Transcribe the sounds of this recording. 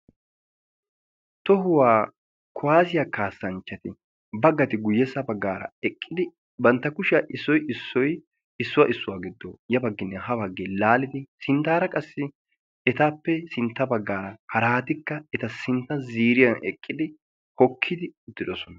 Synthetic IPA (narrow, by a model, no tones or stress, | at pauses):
t̪ɔɦʊwaː | kʊwaːsɪjaːkaːsːɐnt͡ʃːɐt̪ɪ | bɐɡːɐt̪ɪɡʊjːɛsːɐbɐɡːaːɾɐ̰ɛkʼːɪd̪ɪ | bɐnt̪ːɐkʊʃɪaʔɪsːɔjɪsːɔj | ɪsːʊwɐʔɪsːʊwaːɡɪd̪ːo̰ːjɐbɐɡːɪnːɛɦɐbɐɡːeːlaːlɪd̪ɪsɪnt̪aːɾɐkʼɐsːɪ | ɛt̪aːpːɛsɪnt̪ːɐbɐɡːaːɾɐhɐɾaːt̪ɪkːɐɛt̪ɐsɪnt̪ːɐziːɾɪjɐnʔɛkʼːɪd̪ɪ | hɔkʰːɪd̪ɪʊd̪ːɪd̪ɔsɔnɐ